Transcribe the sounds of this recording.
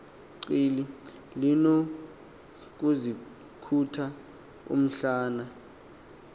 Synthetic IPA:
ǀiːli | lino | k̬uzi | kʰutʰa | ṵm̩ɬaːna

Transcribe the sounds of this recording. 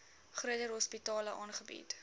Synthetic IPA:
χruədərɦɔspitɑːləʔɑːnχəbḭt

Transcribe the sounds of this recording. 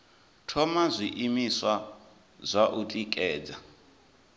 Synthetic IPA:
tʰɔmazʷiʔimiswa | zʷaʔutʼikʼɛːd͡za

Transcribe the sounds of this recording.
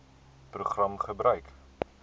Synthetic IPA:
proχrɐmχəbrœɥk

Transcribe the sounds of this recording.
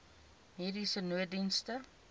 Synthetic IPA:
miːɾisənuədinstə

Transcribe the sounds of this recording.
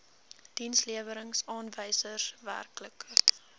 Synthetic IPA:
d̥insliəvəɾəŋsɑːnvəjsəsvæ̰rklək

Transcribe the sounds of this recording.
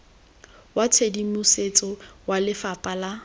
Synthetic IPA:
wat͡sʰedimʊset͡sʼɔwalɪfapʼala

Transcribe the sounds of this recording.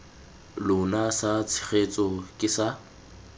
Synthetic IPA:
lʊnasat͡sʰɪ̥χet͡sʼɔkʼɪsa

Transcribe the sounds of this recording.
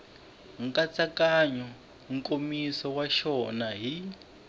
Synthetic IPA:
ŋ̩kat͡sakaɲɔ | ŋ̩kʼomisɔwaʃɔnaɦi

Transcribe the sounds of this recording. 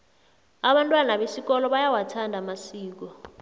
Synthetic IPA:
aɓantʼwanaɓesikɔlɔɓajawatʰandʱamasiːk̬ɔ

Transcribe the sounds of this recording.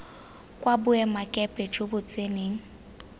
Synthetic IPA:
kʼwabʊɛmakʼɛpʼɛd͡ʒobʊt͡sʼeneːŋ̩

